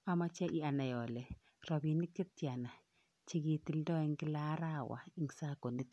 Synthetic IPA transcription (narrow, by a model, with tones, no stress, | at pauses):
a˨ma˦t͡ʃɛ˦ʔi˦a˨na˨jɔ˨le˨ | ɾɔ˨bi˨ni˦k̚t͡ʃi˦ti˨a˨na˨ | t͡ʃi˦ɡi˨ti˨ldɔ˦i˦ŋɡi˦la˦ɾa˦˨wa̰˨i˦ŋ˨sa˦ko˨ni˦t